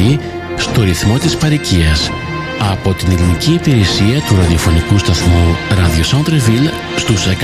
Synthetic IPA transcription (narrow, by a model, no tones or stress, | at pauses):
i | st̪o̞ɾiθmo̞t̪ispɐɾiciɐs | ɐpo̞t̪ineliniciːpiɾe̞siɐt̪uɾɐðio̞fo̞nikust̪ɐθmuɾɐðiosɐnd̪ɾevil | st̪usek